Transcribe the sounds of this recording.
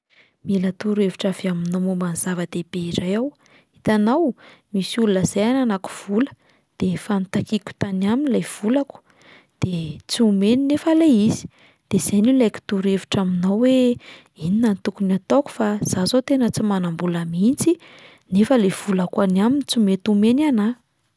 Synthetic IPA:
milat̪uɾeviʈ͡ʂaveaminowmomaniz̥avəd̪̥eb̥eiɾajaw | it̪anawmisulunəz̥ajananaku̥v̥ulə̥ | d̪̥efanit̪akikʲu̥t̪anaminilajv̥ulaku̥ | d̪̥et͡siumeninefaleizi̥ | d̪̥ez̥ajnilejki̥t̪uɾevi̥ʈ͡ʂaminawwe | ininant̪ukunat̪oku̥faz̥azot̪enət͡simanambulamint͡si | nefəlev̥ulakanaminit͡simet̪umenana

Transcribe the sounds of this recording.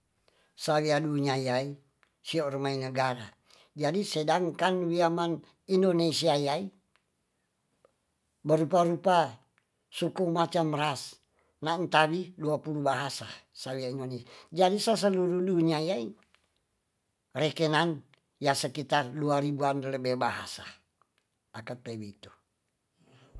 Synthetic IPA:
sawiaduɲajai | siorəmainəɡaɾa | d͡ʒadisedaŋkanwiaman | indonesiajai | bəɾupaɾupa | sukumat͡ʃamɾas | nant̪awiduapulubaɦasasawiaindonesad͡ʒadisas̬əluɾuduɲiajai | rɛkenan | jasəkit̪arduaɾibuanləbɛhbaɦa̰sa | ʔakat̪̚ewit̪u

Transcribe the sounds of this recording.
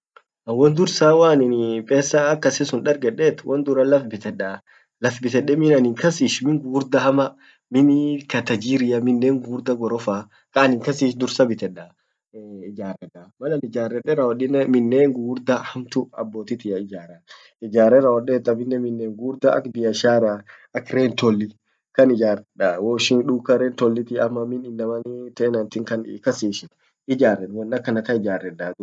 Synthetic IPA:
ɐwɔnd̪ʊɾsaːwaːnɪnpʼeːsːaːkːɐsɪsʊnᶑɐɾɡɛᶑet̪wʔɐnd̪ʊɾɐlɐfbɪt̪ɛᶑa | lɐfbɪt̪ɛᶑɛmɪnɐnɪŋkɐsiːʃmɪŋɡuːɾd̪ɐhɐmɐ | mɪnikɐt̪ɐd͡ʒiːɾɪjɐmɪnːeːŋɡuːɾd̪ɐɡɔɾɔfaː | kɐnɪŋkɐsiːʃd̪ʊɾsɐbɪt̪ɛᶑɐ | ɪd͡ʒaːrɛd̪amɐlɐnɪd͡ʒaːrːɛᶑɛɾɐwɔɗɪnmɪnːeːŋɡuːɾd̪ɐhɐmt̪ʊɐ̰bːoːt̪ɪt̪ɪjɐɪd͡ʒaːɾɐ | ɪd͡ʒaːɾɛɾɐwɔɗeːt̪ːɐmɪnːɛmɪnːeːŋɡuːɾd̪ɐɐ̰kb̪ɪjɐʃaːɾa | ɐkɾeːnt̪ɔlːɪ | kɐnɪd͡ʒaːrɛᶑawoːʃɪnᶑuːkːɐɾeːnt̪ɔlːɪt̪ɪɐmːɐmɪnɪnːɐmɐnɪt̪ɛɛnɐnt̪ɪŋkɐnkɐsiːʃɪ | ɪd͡ʒaːrːɛᶑwɐnːɐkːɐnɐt̪ɐɪd͡ʒaːrːɛᶑaːd̪ʊ

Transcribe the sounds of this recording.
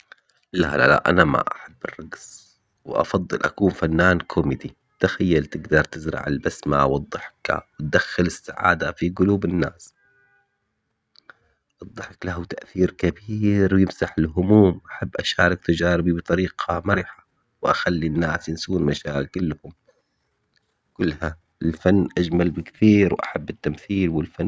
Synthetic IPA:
la̰la̰la̰ʔa̰nama̰ʔaħabːɪ̰rˤːɑɡz | wʔɑ̰fɑd̪ˤːɨ̰lʔa̰kuːnfanːaːnkʰʊmɪd̪i | t̪axajːalt̪ɪɡd̪ɑɾˤt̪ɪzɾˤɑ̰ʕɪ̰lbasma̰wɨd̪ˤːɨħka̰wɪt̪̚d̪axːɪlɪsːaʕa̰ːd̪afiɡʊluːbɪnːaːs | ʔɨd̪ˤːɨħklahut̪aʔθiːɾkabiːɾwjɪmsaħɪlɦʊmuːmʔaħabːʔaʃaːɾˤɑk̚t̪ad͡ʒaːɾɪbibɨt̪ˤɑɾiːqʰamaɾɪħḁ | wʔaxalːinːaːsjɪnsuːnmaʃaːkɪlːhʊm | kʊlːha | ɪlfanːʔad͡ʒmalbɪkθiːɾwʔa̰ħabːɪt̪ːamθiːlwɪlfa

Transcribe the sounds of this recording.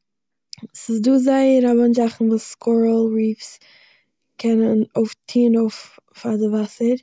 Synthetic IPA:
sɪsduːzaɪəɾavɔnzaχn̩vuːsskʰɔɹl̩ˠɹiːfs | kʰɛnənoʊftʰiːnoʊf | fadɪvasəɾ

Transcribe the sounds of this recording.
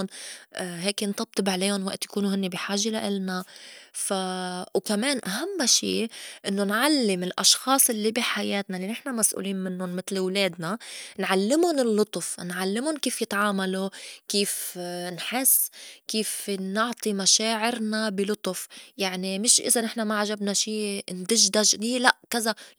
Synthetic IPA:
nʔɦeːknt̪ˤɑb̚t̪ˤɨbʕleːhʊnwaʔt̪jakuːnuɦɪnːibiħaːʒelaʔɪlnafawkameːnʔaɦamːʃḭːʔɪnːonʕalːɪmɪlʔɑ̰ʃxɑːsˤʔɪlːibiħajeːt̪nalinɪħnamasʔṵːliːnmɪnːʊnmɪt̪lwleːd̪̚nanʕalːɪmʊnɪlːʊt̪ˤfnʕalːɪmʊnkiːfjɪt̪ʕaːmalokiːfnħɪsːkiːfnʊʕt̪ˤimaʃaːʕɪɾnabɪlʊt̪ˤʊfjaʕnimɪʃʔɪ̰zanɪħnamaʕaʒabnaʃiːnd̪ɪʒd̪aʒniːlaʔkɪza

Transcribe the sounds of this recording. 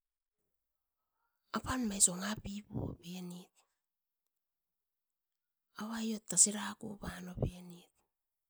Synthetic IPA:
apanmajsoŋapibṵo̰benit̚ | aβajo̞tːasiɾako̰banobenit̚

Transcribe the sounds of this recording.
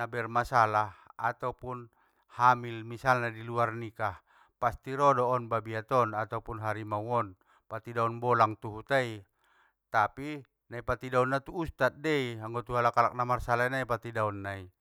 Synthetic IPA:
abɛrmasalahat̪aupun | hamilmisalnadiluarnikah | past̪iɾɔdɔːnbabiat̪ɔnat̪aupunɦaɾimauɔn | pat̪idaɔnbɔlaŋt̪uɦut̪ai | t̪api | naipat̪idaunːat̪uːst̪at̪̚dɛiaŋɡɔt̪uɦalakalak̚namarsalainaipat̪idaɔnːai

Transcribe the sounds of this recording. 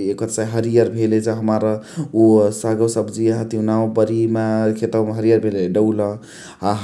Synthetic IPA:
ekət̪saɦəɾijəɾbʱelet͡ʃəɦəmaɾusaɡəsəbd͡ʒiɦət̪inaobəɾimakʰet̪əmɦəɾijəɾbʱeleɖəwlə | a

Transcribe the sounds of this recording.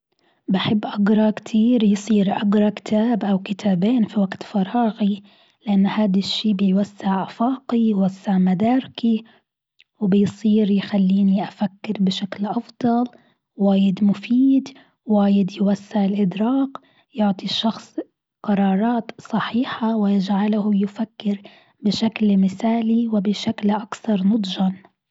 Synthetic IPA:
baħɪbːʔaɡɾˤɑkt̪ʰiːɾjsˤiːɾʔaɡɾˤɑkɪ̥t̪ʰaːbʔawkɪt̪ʰaːbeːnfiwaɡt̪fɑɾˤɑːɣi | lɪʔanːhaːd̪aʃːiːbɪjwasːɪʕʔafɑːqijwasːɪʕmad̪aːɾɪki | wbɪjsˤiːɾjxalːiːniʔafakːɪɾbɪʃaklʔɑfd̪ˤɑl | waːjɪd̪mʊfiːd̪ | waːjɪd̪jwasːɪʕɪlʔɪd̪ɾɑːq | jʊʕt̪ˤiʃɑxsˤ | qɑɾˤɑːɾˤɑːt̪sˤɑħiːħawɪjɪd͡ʒʕalahʊjɪfakːɪɾ | bɪʃaklmɪθaːliwɪbɪʃaklʔakθɑɾˤnʊd̪ˤʒɑn

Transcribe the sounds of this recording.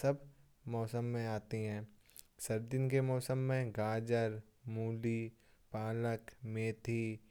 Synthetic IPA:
sɐbʱ | mɔːsəmːẽaːt̪iɦɛ̃ː | sɐɾd̪ɪnkemɔːsəmːẽɡaːd͡ʒəɾ | muːliː | paːləkmeːt̪ʰiː

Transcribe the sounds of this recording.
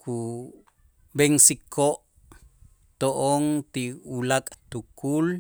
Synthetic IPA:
kʰu | beŋsikʰoʔ | t̪oʔoŋt̪iulakʼt̪ukul

